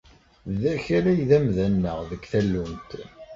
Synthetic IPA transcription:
ðæçaɾæjðæmðænːəʁðəɡθælːumt̪

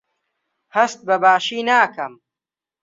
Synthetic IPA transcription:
hɐst̪̚bɐbaːʃiːnaːkɐm

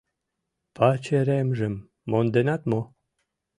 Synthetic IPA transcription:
pɑt͡ɕeɾemʒɘ̆mː | ond̪enɑt̪mo

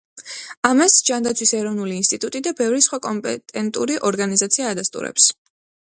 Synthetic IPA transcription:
amasd͡ʒand̪at̪sʰwisɛɾɔvnuliːnst̪ʼit̪ʼut̪ʼid̪abɛvɾisχwakʼɔmpʼɛt̪ʼɛnt̪ʼṵɾiʔɔɾɡanizat̪sʰiaːd̪ast̪ʼṵɾɛ̰ps

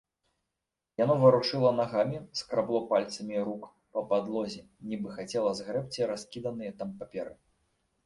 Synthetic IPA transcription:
janɔvɨɾuʂɨlˠɐnaɣamʲiskɾablˠɔpalʲt̪sɐmʲiɾuk | pɐpad̪lˠɔzʲɛ | nʲibɨxat͡sʲɛlˠɐzɣɾɛp̚t͡sʲiɾaskʲid̪ɐnɨjɐt̪ampapʲɛɾɨ

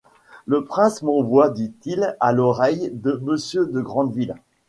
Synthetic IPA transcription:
ləpχɛ̃smɑ̃vwad̪it̪ilalɔʁɛjd̪əməsjød̪əɡʁɑ̃d̪vil

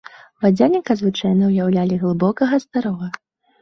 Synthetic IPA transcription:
vad͡zʲanʲikɐzvɨt͡ʂajnɐwjawlʲalʲiɣlˠɨbɔkɐɣɐsd̪aɾɔɣɐ

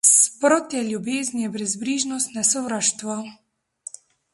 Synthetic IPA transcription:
spɾɔt̪jɛljubeːzniɛbɾɛzbɾiʒnɔst̪nasɔvɾaʃt̪ʋa

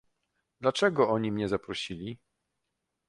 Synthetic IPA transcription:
d̪̥lat͡ʂɛɡɔɔɲimɲɛzapɾɔɕilʲi

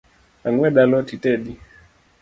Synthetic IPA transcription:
aŋwɛɗalɔtitɛɗi

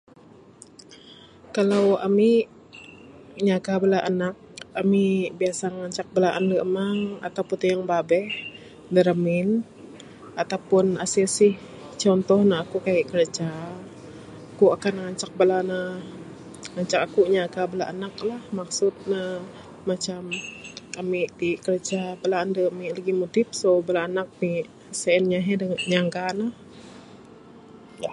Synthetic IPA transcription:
kalawa̰mi | ɲaɡabəlaʔanak̚amibiasaŋaɲt͡ʃak̚bəlaʔanləəmaŋa̰t̪awput̪ijaŋbabɛh | dəɾəmɪn | at̪awpʊnasilsɪh | t͡ʃɔnt̪ɔhnaakukajaʔkələt͡ʃa | kuakanŋaɲt͡ʃak̚bəlanah | ŋaɲt͡ʃakakuʔɲakabəlaʔanaklahmaksʊt̪̚naː | at͡ʃamamiʔdikəɾəd͡ʒabəlaːndəamiʔlaɡimot̪ɪp̚sobəlaːnak̚niʔ | səənɲaɦɛdəɲaŋɡanah | ja

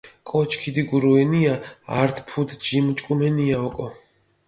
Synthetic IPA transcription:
kʼɔt͡ʃʰkʰid̪iɡuɾuɛniaa̰ɾt̪ʰpʰud̪d͡ʒimt͡ʃʼkʼumɛniaɔkʼɔ

